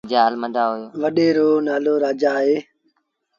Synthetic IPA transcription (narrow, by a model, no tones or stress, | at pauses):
d͡ʒaːəlməd̪aːɦojoːʋəɗeːɾoːnaːloːɾaːd͡ʒaːɦeː